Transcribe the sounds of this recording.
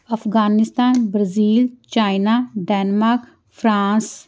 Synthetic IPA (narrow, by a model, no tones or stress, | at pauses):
ɐfɣaːnɪst̪aːnbɾaziːlt͡ʃaːɪnaːɖɛːnmaːɾk | fʰɾaːs